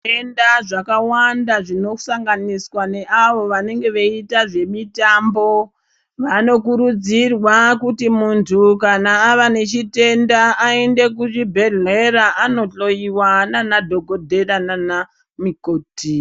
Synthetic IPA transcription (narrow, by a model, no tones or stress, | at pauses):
endaʐakawandaʐino̞saŋɡaniswane̞ʔaʋo̞ʋane̞ŋɡe̞ʋeitaʐe̞mitambo̞ | ʋano̞k̬uɾud͡zirwakutimuntʰukanaːʋane̞t͡ʃite̞ndaːende̞k̬uʐibʱe̞ɮeɾaʔano̞ɬo̞iwananadʱo̞ɡʱo̞dʱe̞ɾanana | mikoːti